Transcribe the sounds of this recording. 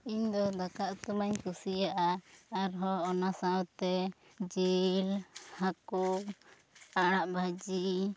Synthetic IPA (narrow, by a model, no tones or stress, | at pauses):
iɲd̪ɔd̪akaʔt̪umaɲkusijaʔaːɾɦɔːnasawt̪ɛ | d͡ʒelhaku | aɽ̃aʔbʱad͡ʒi